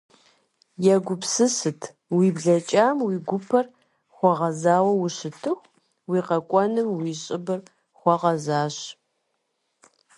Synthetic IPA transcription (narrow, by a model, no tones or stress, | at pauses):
jɛɡʷʊpsɨsɨtʰ | wiːbɮɐt͡ʃʼaːmwiːɡʷʊpʰɐr | χʷɔʁɐzaːwɐwʊɕɨtʰɨxʷ | wiːqɐkʷʼɔnɨmwiːɕʼɪbɨr | χʷɔʁɐzaːɕ